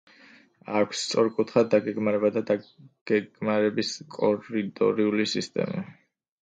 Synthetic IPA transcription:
akʷʰst̪sʼɔɾkʼut̪ʰχad̪d̪ːaɡɛɡmaɾɛbad̪ad̪aɡ̥ɛɡmaɾɛbiskʼɔɾit̪ʼɔ̰ɾiulisist̪ʼɛ̰ma̰

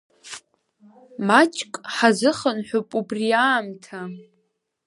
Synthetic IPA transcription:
mat͡ʃʼkʼħazɨχənħʷupʼubriaːmtʰa

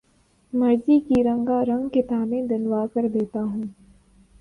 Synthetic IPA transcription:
mɐɾd͡ʒikiɾɐ̃ŋɡaɾɐ̃ŋɡkɪt̪aːbẽd̪ɪnwaːkɐɾd̪eːt̪aɦũː

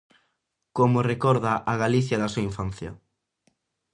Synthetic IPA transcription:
komorekɔɾðaʔaɣaliθjɐðasuaiɱfanθja̰

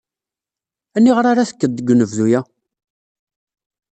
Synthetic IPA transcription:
ænːiʁəɾaɾaθə̥kːəd̪ɡʷnəvðujæ

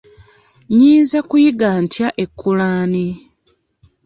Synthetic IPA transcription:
ɲiːnzakujiɡaːntjaʔekʰːulaːni

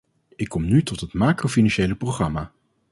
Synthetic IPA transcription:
ɪkːɔmnytɔtɦətmaːkrofinɑnʃejləproχrɑmaː

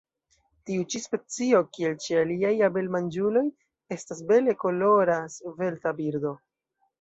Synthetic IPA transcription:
tiut͡ʃispe̞t͡sio̞kie̞lt͡ʃialiajabe̞lmand͡ʒulo̞j | e̞stasbe̞le̞ko̞lo̞ɾasve̞ltabiɾdo̞

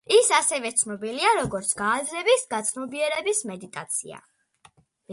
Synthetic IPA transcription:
isasɛvɛt̪sʰnɔbiliaɾɔɡɔɾt̪sʰɡaːzɾɛbisɡat̪sʰnɔbiɛɾɛbismɛd̪it̪ʼat̪sʰḭa̰

